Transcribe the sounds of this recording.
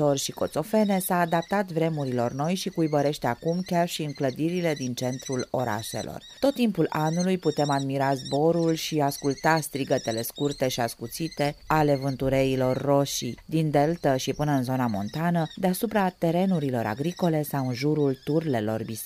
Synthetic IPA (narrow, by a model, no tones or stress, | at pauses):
o̞rʲʃiko̞t̪so̞fe̞ne̞saːd̪ap̚t̪at̪vɾe̞muɾilo̞rno̞jʃikujbəɾe̞ʃt̪eakumkʲarʃiɨŋkləd̪iɾile̞d̪int͡ʃe̞nt̪ɾulo̞ɾa̰ʃe̞̰lo̞̰rt̪o̞t̪ːimpulanːulujput̪e̞mad̪miɾazbo̞ɾulʃiaskult̪ast̪ɾiɡət̪e̞le̞skurt̪e̞ʃiaskut̪sit̪e̞ale̞vɨnt̪uɾe̞ilo̞rːo̞ʃḭd̪ind̪e̞lt̪əʃipɨnəɨnzo̞namo̞̰nt̪anəd̪e̞asupɾat̪e̞ɾe̞nuɾilo̞̰ɾʔa̰ɡɾiko̞le̞sawɨnʒuɾult̪urle̞lo̞̰rbis